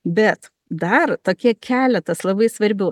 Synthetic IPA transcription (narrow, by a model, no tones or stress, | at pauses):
bʲɛt̪ | d̪ɐɾt̪oːkʲiɛkʲʰæːlʲɛt̪ɐslˠɐbɐɪsʋɐɾʲbʲʊ